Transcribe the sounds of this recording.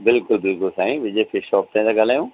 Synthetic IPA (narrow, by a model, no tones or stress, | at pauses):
bɪlkʊlbɪlkʊlsaːĩʋɪd͡ʑefɪʃɔːp̚t̪ãt̪aɡal̤aːjũː